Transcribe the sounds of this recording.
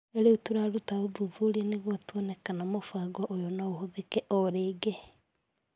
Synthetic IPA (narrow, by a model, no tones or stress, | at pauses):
eɾeutuɾaɾutaoðuðuɾiɛneɣwatwɔnɛkanamofaɡɔʔojɔnaohoðekɛʔɔɾeːɡe